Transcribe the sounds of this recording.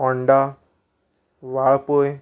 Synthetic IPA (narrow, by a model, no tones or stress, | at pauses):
ɔɳɖa | ʋapoj